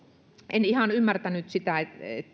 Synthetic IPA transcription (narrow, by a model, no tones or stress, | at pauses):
ʔenihɑnymːært̪ænyt̪sit̪æeet̪ː